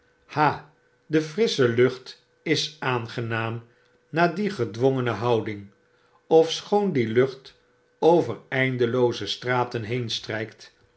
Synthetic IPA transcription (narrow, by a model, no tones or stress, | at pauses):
haː | dəfrɪsəlɵχt | ɪsaːnχənaːm | naːdiχədʋʊŋənəɦɑwdɪŋ | ɔfsχowndilɵχt | owvərɛjndəlowzəstraːtənɦejnstrɛjkt